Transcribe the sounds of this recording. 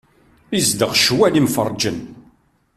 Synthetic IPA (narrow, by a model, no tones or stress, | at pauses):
izd̪əʁʃwælimfərˤːd͡ʒən